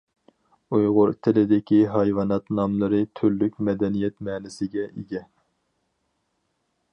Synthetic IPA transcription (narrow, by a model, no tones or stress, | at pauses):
ujʁʊɾt̪ʰɪlɪd̪ɪkʲiɦɑjwɑnɑt̪nɑmlˠɨɾɨt̪ʰyɾlykʲmɛd̪ɛnijɛt̪mɛːnɪsɪɡʲɛʔiɡʲɛ